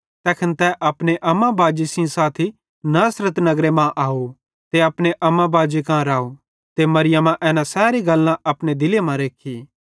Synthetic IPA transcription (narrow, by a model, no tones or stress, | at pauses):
t̪ɛːkʰənt̪ɛʔɐpñeʔɐmãbaːd͡ʒisĩsaːt̪ʰi | naːsɾət̪nɐɡɾemãʔaːo | t̪eɐpɽ̃eʔɐmãbaːd͡ʒekãɾaːo | t̪emɐɾɪjəmãʔɛːnãsɛːɾiɡɐlːãʔɐpɽ̃ed̪ɪlemãɾeːkʰiː